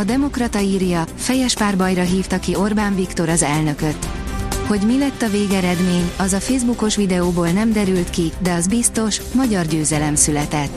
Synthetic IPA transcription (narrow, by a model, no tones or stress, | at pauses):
ɒd̪ɛmo̞krɒt̪ɒiːrjɒfɛjɛʃpaːrbɒjrɒɦiːft̪ɒkio̞rbaːɱvikt̪o̞ɾɒzɛlnø̞kø̞t̪ːho̞ɟmilɛt̪ːɒveːɡɛɾɛd̪meːɲɒzɒfeːzbuko̞ʃʋid̪ɛoːboːlnɛmd̪ɛɾylt̪kid̪ɛɒzbist̪o̞ʃmɒɟɒrɟøːzɛlɛmsylɛt̪ɛt̪ː